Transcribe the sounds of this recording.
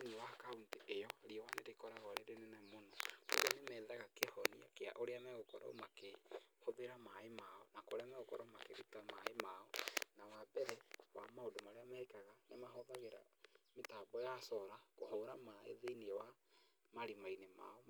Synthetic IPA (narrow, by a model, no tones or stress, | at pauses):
nwakaunteʔejɔɾiɛwaneɾekɔɾaɣɔɾeɾenenɛmonɔko̰ɣɔnemɛðaɣakehɔnia̰kea̰ʔoɾeamɛɣokɔɾɔ̰makehoβeɾamaemaɔnakoɾeamɛɣokɔ̰ɾɔmakeβitama̰emaɔnawabɛɾɛwa̰maodomaɾeamɛekaɣanemaɦɔðaɣeɾa̰metabɔjasɔɾakohɔːɾamaḛðeinewa | maɾimainema̰ɔ